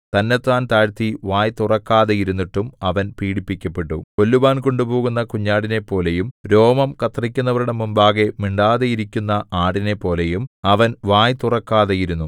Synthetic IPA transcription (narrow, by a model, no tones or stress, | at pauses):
t̪ɐnːe̞t̪ːaːnt̪aːɻt̪iʋaːjt̪urɐkːaːðɐjiɾunːiʈːumɐʋɐnpiːɽipːikʲːɐpːe̞ʈːuko̞lːuʋaːnko̞ɳɖupo̞ːɣunːɐkuɲːaːɽine̞pːo̞ːle̞jumɾo̞ːmɐmkɐt̪rikʲːunːɐʋɐɾuɽe̞mumbaːɣe̞miɳɖaːðejiɾikʲːunːɐʔaːɽine̞pːo̞ːle̞jumɐʋɐnʋaːjt̪urɐkːaːðejiɾunːu